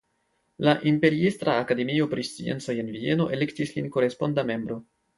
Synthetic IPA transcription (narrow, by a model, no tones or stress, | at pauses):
laʔimpe̞ɾiistɾaːkade̞mio̞pɾist͡sḭe̞̰nt͡so̞je̞nvie̞no̞ʔe̞le̞ktislinko̞ɾe̞spo̞ndame̞mbɾo̞